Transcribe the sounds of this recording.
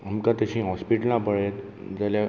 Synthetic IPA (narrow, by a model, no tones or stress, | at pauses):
əmkãt̪əɕĩɦɔspiʈəlnãpəɭet̪ | d͡zalja